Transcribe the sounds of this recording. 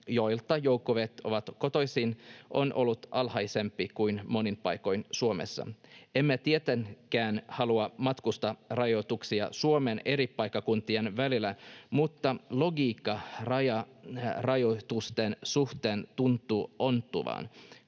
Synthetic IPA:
jo̞jlt̪ːˑɑjo̞ukːoʋet̪o̞̰ʋɑt̪ko̞t̪o̞jsinʔo̞̰nʔo̞lːut̪ʔɑlhɑjse̞mpːikujnmo̞nimpɑjko̞jnsuomḛsːɑ̰emːet̪iet̪eŋkæːnhɑluɑmɑt̪kust̪ɑrɑjo̞t̪uksiɑ̰suomene̞ɾipːɑjkːɑkunt̪ienʋælilæmut̪ːɑlo̞ɡiːkːɑrɑjɑ | rɑjot̪ust̪ensuht̪eːnt̪unt̪ːˑuːʔo̞nt̪ːuʋɑ̰ːn

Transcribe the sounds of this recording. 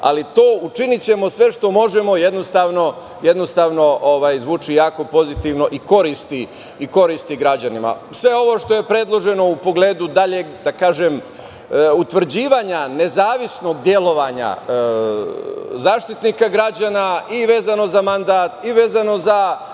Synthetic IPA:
a̰lit̪o̞ːut͡ʃinit͡ɕe̞mo̞sʋe̞ʃt̪o̞mo̞ʒemo̞jed̪no̞st̪aːʋno̞ | je̞d̪no̞st̪aːʋno̞ʔoʋaːjzʋuːt͡ʃijaːko̞po̞zit̪iʋno̞ʔiko̞ɾist̪iː | ko̞ɾist̪iɡɾad͡ʑanima̰sʋe̞o̞ʋo̞ʃt̪o̞je̞pɾe̞d̪lˠo̞ʒe̞no̞upo̞ɡle̞ːd̪ud̪aʎed̪akaːʒem | ut̪ʋr̩d͡ʑiːʋaɲane̞zaːʋisno̞ɡ̚d̪je̞lo̞ʋaɲa̰ | zaːʃt̪it̪nikaɡɾad͡ʑanaiʋe̞ːzano̞zamand̪at̪iʋe̞ːzano̞za

